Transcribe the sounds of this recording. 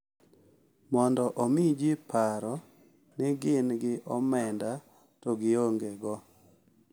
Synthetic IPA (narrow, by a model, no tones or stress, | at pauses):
mɔndɔʔomɪd͡ʒɪpʰaɾɔ | nɪɡɪnɡɪʔɔmɛnda | tɔɡɪoŋɡeɡɔ